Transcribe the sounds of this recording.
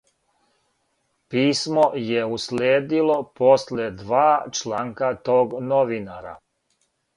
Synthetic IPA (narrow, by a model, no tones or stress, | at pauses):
piːsmojeusleːd̪ilo̞po̞sled̪ʋaːt͡ʃlaːŋkat̪oːɡnoʋinaɾa̰